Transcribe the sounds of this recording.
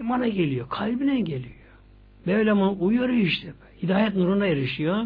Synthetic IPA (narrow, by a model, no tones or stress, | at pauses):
manaɟelʲijokʰalʲbinɛnɟelʲijo | bøɥlʲɛmunuʔujoɾiʃt̪ɛbhid̪aːjɛt̪nuɾund̪aeɾiʃijo